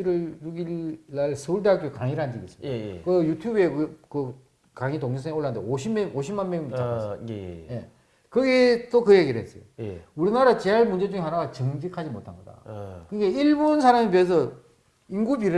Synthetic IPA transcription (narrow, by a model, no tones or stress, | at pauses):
iɾɯɭjuɡilːaɭsʰɯuɭd̬eɦak͈̚oekaŋiɾɯɭand͡ʑiɡḭs͈ɯmidakɯjutʰjube̞kɯ | kaŋitoŋd͡ʑesʰʌŋoɭːandḛoɕʰimːeoɕʰimanmejumit͡ɕasje | kɯɡe̞t͈okɯje̞ɡiɾɭɦes͈ʌ̰jo̰uɾinaɾat͡ɕeɦaɭmund͡ʑe̞d͡ʑuŋeɦanaɡat͡ɕɯŋd͡ʑikʰad͡ʑimotʰanɡʌda̰kɯnɡe̞iɭbonsʰaɾamipies̬ʰʌ | inɡupiɾɯ